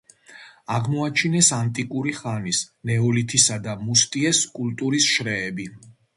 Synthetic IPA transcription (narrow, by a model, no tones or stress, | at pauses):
aʁmɔat͡ʃʰinɛsant̪ʼikʼuɾiχanisnɛɔlit̪ʰisad̪amust̪ʼiɛskʼult̪ʼuɾisʃɾɛːbi